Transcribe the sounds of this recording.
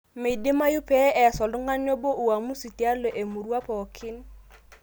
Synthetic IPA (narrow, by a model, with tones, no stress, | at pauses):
mɪ˨dɪ˦ma˦jʊ˦pɛ˦ɛ˨sɔ˨lʊ˦ŋa˦n˦ɔ˦bo˦ʔu˨wa˨mu˦si˨ti˨˦a˦lɔ˨ʔe˨mu˨ɾwa˦pɔ˨kʰɪ˦n